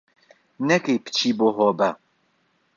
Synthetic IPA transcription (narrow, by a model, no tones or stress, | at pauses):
nɛkejpɨ̥t͡ʃʰiboːɦɔːbɐ